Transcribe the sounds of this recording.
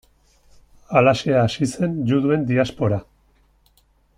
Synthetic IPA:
alaseaːsise̞nd͡ʒuðue̞nd̪iaspo̞ɾa

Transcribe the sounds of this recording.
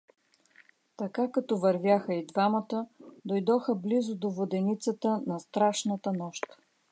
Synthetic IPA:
t̪ɐkakɐt̪ɔvɐɾvʲjaxəid̪vamət̪əd̪ojd̪ɔxəblizʊd̪ovod̪ɛnit̪sət̪ənɐst̪ɾaʃnət̪ənɔʃt̪

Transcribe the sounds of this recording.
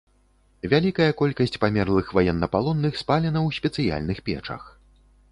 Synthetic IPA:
vʲalʲikɐjɐkɔlʲkɐsʲt͡sʲpamʲɛrlˠɨxvajɛnːɐpalˠɔnːɨxspalʲɛnɐwsʲpʲɛt̪sɨja̰lʲnɨxpʲɛ̰t͡ʂɐ̰x

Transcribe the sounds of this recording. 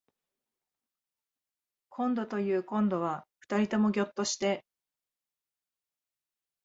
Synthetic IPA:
kʰõ̞nd̪o̞t̪o̞jɯ̟ːkõ̞nd̪o̞β̞aɸɯ̟̥t̪aɾʲit̪o̞mo̞ɡʲo̞t̪ːo̞ɕi̥t̪e̞

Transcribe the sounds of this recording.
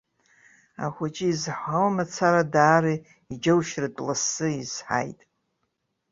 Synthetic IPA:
a̰χʷat͡ʃʼiizħʷawmat͡sʰaɾadaːɾi | id͡ʒawʃrɨtʼlasːɨiz̥ħa̰jtʼ

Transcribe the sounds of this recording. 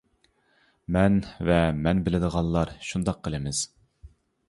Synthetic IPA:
mɛnvɛmɛnbɪlɪd̪əʁɑnˠlˠɑɾʃund̪ɑq̚qʰːəlˠɪmɪz̥

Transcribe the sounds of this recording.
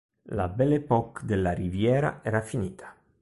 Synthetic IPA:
la̰bɛlepɔkd̪elːaɾivjɛːɾa̰ɛːɾafiniːt̪ʰḁ

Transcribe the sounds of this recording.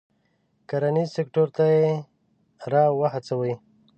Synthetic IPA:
kaɾanisekʈoɾt̪aje | ɾɑwəɦat͡sawəj

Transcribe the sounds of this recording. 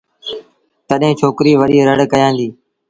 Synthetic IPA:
t̪əɗɦẽːt͡ʃʰoːkɾiːʋəɗiːɾəɽ̤kəjãːnd̪iː

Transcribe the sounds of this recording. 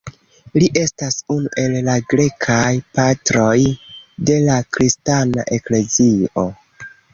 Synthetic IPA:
liʔe̞stasunuʔe̞lːaɡɾe̞kʰajpatɾo̞jde̞lakɾistana̰ʔe̞kle̞zio̞

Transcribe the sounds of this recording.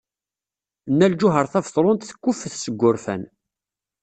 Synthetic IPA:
nːæld͡ʒʊɦəɾˤθævθˤɾˤʊnt̪θə̥kːʊfəθsəɡʷːʊɾfæ̰n

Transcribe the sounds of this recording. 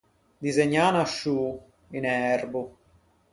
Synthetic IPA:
d̪izeɲːaːnaʃːu | inɛrbu

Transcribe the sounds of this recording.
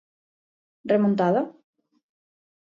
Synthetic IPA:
remõnt̪aða

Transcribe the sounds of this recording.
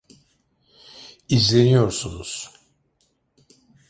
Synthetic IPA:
izlʲe̞nijo̞ɾsunuz̥

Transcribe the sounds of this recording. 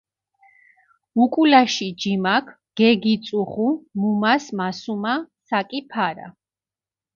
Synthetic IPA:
ukʼulaʃid͡ʒimakʰ | ɡ̥ɛɡit̪sʼuχumumasmasumasakʼipʰaɾa̰

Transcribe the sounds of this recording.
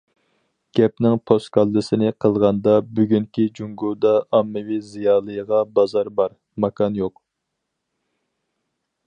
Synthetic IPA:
ɡ̥ʲɛp̚nɪŋpʰost̪kʰɑlˠːɨsɪnɪqʰəlˠʁɑnd̪ɑbyɡʲyŋkʲʰid͡ʒuŋɡud̪ɑːmːɨwizijɑːlˠɨjəʁɑbɑzɑɾbɑɾ | mɑkʰɑnjoq

